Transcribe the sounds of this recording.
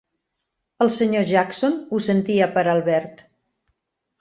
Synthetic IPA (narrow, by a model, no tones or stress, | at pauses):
əlˠsəɲoʒaksonusənt̪iəpəɾalˠβɛɾt̪